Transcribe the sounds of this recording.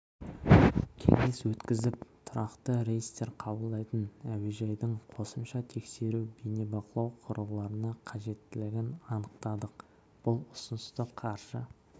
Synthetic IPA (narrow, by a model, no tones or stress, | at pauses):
kʲʰe̞̰ŋe̞swɵt̪kʲɪzɪpt̪ʰʊɾɑqt̪əɾeɡist̪e̞ɾqʰɑbəlˠd̪ɑjt̪ənæweʒɑjd̪əɴqʰo̞səmʃɑt̪ʰe̞kse̞ɾubenebɑqəlˠɑwqʰʊɾəlˠɑɾənɑqʰɑʒe̞t̪ːɪlɪɡʲɪnɑnəq̚t̪ɑd̪əq | b̥ʊlˠʊsənəst̪əqʰɑɾʒə